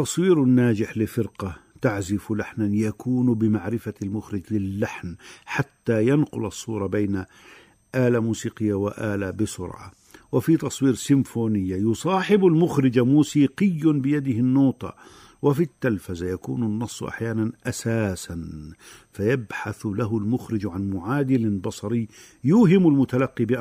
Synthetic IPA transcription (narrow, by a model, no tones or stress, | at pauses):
t̪ɑsˤwiːɾnːaːd͡ʒɪħlɪfɪɾqɑt̪aʕzɪflaħnanjakuːnbɪmaʕɾɪfalmʊxɾɪd͡ʒlɪlːaħnħat̪ːajanqʊlɑsˤːuːɾˤɑbajna | ʔaːlamuːsiːqɪjːawɪʔaːlabɪsʊ̰ɾʕa̰ | wɪfit̪ɑsˤwiːɾsɪmfuːnɪjːajʊsˤɑːħɪbʊlmʊxɾɪd͡ʒamuːsiːqɪjːanbɪjad̪ɪhɪnːuːt̪ɑ̰ | wɪfit̪ːalfazajakṵːnʊnːɑsˤːʔa̰ħjaːnanʔasaːsanfajabħaθlaɦʊlmʊxɾɪd͡ʒʕanmʊʕaːd̪ɪlbɑsˤɑɾɪjː | jʊːɦɪmʊlmʊt̪alaqːibɪʔ